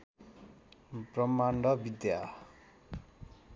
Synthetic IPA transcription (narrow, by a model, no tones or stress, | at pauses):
prʌmaɳɖʌbid̪ja